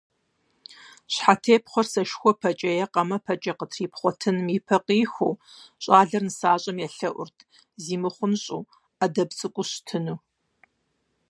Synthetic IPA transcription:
ɕħatʰeːpχʷɔrsɐʃxʷɔpʰɐt͡ʃʼɐjɛqɐmɐpʰɐt͡ʃʼɐqətʰriːpχʷɔtʰɨnmiːpʰɐqiːxʷuːɕʼaːɮɐrnɨsaːɕʼɐmjɛɬɐʔʷʊ̰rtʰ | ziːmɨχʷʊmɕʼṵː | adɐbt͡sʼɨkʷʼʊɕtʰɨnuː

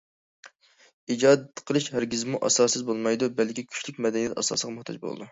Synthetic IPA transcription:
id͡ʒɑːd̪t̪ʰːqʰəlˠɨʃhæɾɡʲizmuʔɑ̰sɑːsɨzbolˠmɑjd̪ubɛlkʲikʲʰy̥t͡ʃlyk̚ʲmɛd̪ɛnijɛt̪ɑ̰sɑ̰ːsəʁɑmʊχt̪ʰɑ̰d͡ʒbo̰lˠɨ̰d̪u

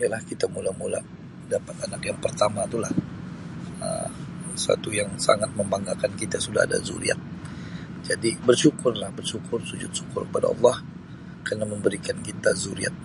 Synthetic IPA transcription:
jalahkit̪amulamula̰ | dapat̪anakjaŋpərt̪amat̪ula̰h | ə̰sa̰t̪ujaŋsa̰ŋat̪̚məmbaŋɡakankit̪asuda̰ha̰da̰zṵɾḭa̰t̪̚ | d͡ʒadibərʃukʊrlahbərʃukʊrsud͡ʒʊ̰t̪̚ʃu̥kʊrkəpada̰ɑ̰lˠːɑh | karnaməmbəɾikankit̪azuɾḭa̰t̪̚

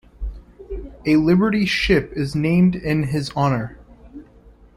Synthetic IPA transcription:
ɨlɪbə˞ɾiʃɪpɨznẽɪ̃mdɪ̃nɪzɑnə˞

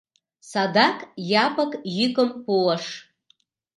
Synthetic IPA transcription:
sad̪akʼjapʼəkʼjikʼɨmpulɐʂ

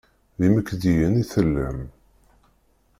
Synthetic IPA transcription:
ðiməkːðijəniθəlːə̰m

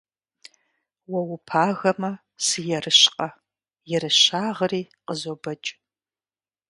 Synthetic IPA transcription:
wɐwʊpʰaːɣɐmɐ | sɨjɛrɨɕqʼɐ | jɛɾɨɕaːʁəriːqəzobɐt͡ʃʼ

